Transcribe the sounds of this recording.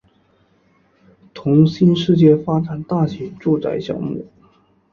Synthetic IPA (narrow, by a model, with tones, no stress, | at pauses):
t̪ʰʊ˧˥ŋɕi˥nʂɻ̩˥˧t͡ɕjɛ˥˩fa˥ʈ͡ʂa˨˩nt̪a˥˩ɕɛ˨˥˦ʈ͡ʂu˥˧t͡sa̰˥˧ɪɕjɑ̰˥˧ŋmṵ˥˩